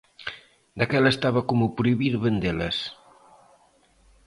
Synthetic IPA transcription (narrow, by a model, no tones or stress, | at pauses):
d̪akɛlest̪aβɐkomupɾuiβiɾβend̪elɐ̰s